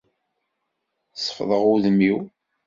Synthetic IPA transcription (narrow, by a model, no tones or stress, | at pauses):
sə̥fðˤəʁʊðəmːiw